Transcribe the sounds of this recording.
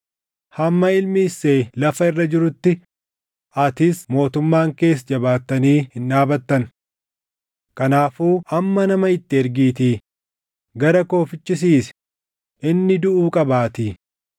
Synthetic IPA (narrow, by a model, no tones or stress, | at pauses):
hɐmːɐɪlmɪsːe̞ːlɐfɐɪrːɐd͡ʒɪɾʊt̪ːɪ | ɐt̪ɪsmo̞ːt̪ʊmːaːŋke̞ːs̬d͡ʒɐbaːt̪ːɐniːhɪnːaːbɐt̪ːɐn | kɐnaːfuːʔɐmːɐnɐmɐɪt̪ːɪɛɾɡiːt̪iː | ɡɐɾɐko̞ːfɪt͡ʃːɪs̬iːsɛ̥ | ʔɪnːɪd̪ʊʔuːkʼɐbaːt̪iː